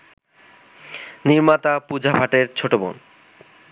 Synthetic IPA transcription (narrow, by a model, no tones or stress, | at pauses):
niɾmat̪apud͡ʑʱabʱaʈeɾt͡ɕʰoʈobo̰n